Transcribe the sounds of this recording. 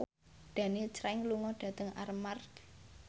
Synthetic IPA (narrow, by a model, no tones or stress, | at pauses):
d̪̥a̤net͡ʃɾaɪŋluŋɔd̪̥ä̤t̪əŋa̰rmar